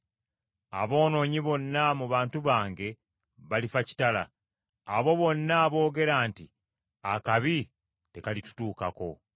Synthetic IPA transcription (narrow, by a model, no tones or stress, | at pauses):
a̰βo̞ːno̞ːɲiβo̞nːamuβaːntuβaːŋɡe̞ | βalifaci̥tala̰ː | βo̞βo̞nːaβo̞ːɡe̞ɾaːnti | akaβi | te̞kalitu̥tuːkako̞